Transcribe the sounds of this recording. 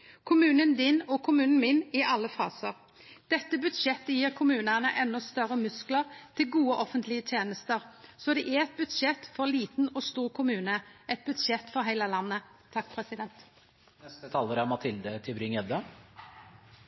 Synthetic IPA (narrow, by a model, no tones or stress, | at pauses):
kʰʊmʉːnənd̪ɪnɔkʰʊmʉːnn̩mɪnɪʔɑlːəfɑ̰ːsəʁ | d̪̥ɛt̪ːəbʉt̪ʃɛt̪ːəjiːʁkʰʊmʉːnənəʔɛnːɔst̪œʁəmʉskləʁt̪ʰɪlɡuːəʔɔfənt̪lɪət̪ʰjeːnəst̪əʁsɔd̪ɛʔæɛt̪̚bʉt̪ʃɛt̪ːfɔʁliːt̪n̩ɔst̪uːʁkʰʊmʉːnəɛt̪̚bʉt̪ʂɛt̪ːfɔɾɦæɪləlɑnːət̪ʰːɑkːpʰʁɛsɪd̪ɛnt̪ | ɛst̪ət̪ʰɑːləɾæɾmɑt̪ʰɪld̪ət̪ʰɪbɾɪŋɛd̪ə